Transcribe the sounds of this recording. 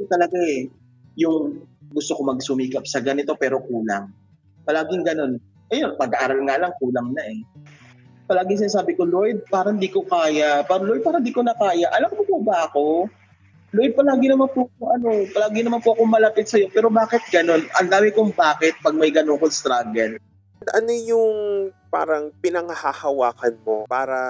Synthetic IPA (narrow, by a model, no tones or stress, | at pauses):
t̪ɐlɐɡaʔɛ | jʊŋɡʊst̪oko̞mɐɡsʊmiːkɐp̚sɐɡɐnɪt̪o̞pɛːɾo̞kuːla̰ŋ | pɐlaːɡɪŋɡɐno̞n | ʔɐjo̞npɐɡɐʔaːɾɐlŋaːlɐŋkuːlɐŋnɐʔɛ | pɐlaːɡɪŋs̬ɪnaːs̬aːbɪko̞lojd̪̚paːɾɐɪnd̪iːkokaːjapaːɾɐlojd̪̚paːɾɐhɪnd̪iːko̞nɐkaːjɐʔɐlɐmkopʊbɐʔɐko̞ | lojd̪̚pɐlaːɡɪnɐmanpʊŋʔɐno̞pɐlaːɡɪŋnɐmanpʊʔɐkomɐlɐpɪt̪̚sɐjo̞pɛːɾo̞baːkɪt̪̚ɡɐno̞nʔɐ̰ŋd̪aːmɪkʊŋbaːkɪt̪̚pɐɡ̚mɐjɡɐnoŋkost̪ɾaːɡɛl | d̪ʔɐnojʊŋpa̰ːɾɐŋpɪnɐŋɐhahɐwaːkɐnmopaːɾɐ